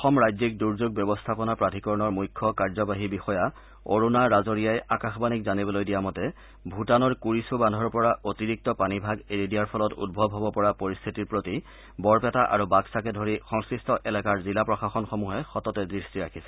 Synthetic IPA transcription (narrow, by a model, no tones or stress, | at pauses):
ɔxɔmɹajzik̚duɹzuɡ̚bjɔbɔstʰapɔnapɹatikɔɹnɔɹmujkʰːɔkaɹzɔbaɦibixɔja | o̰ɹunaɹazoɹijajakaxbanikzanibɔlojdijamɔtɛ | bʱutanɔɹkuɹisubandʱɔɹpɔɹaʔotiɹik̚tɔpanibʱaɡeɹidiaɹpʰɔlɔtṵd̚bʱɔbʱɦɔbɔpɔɹapoɹist̪ʰitiɹpɹoti | bɔɹpɛtaʔa̰ɹubaksakɛdʱoɹixɔŋskɹistɔʔɛlakaɹzilapɹɔxaxɔnxomuɦɛxɔtɔtɛdɹistiɹakʰisɛ̥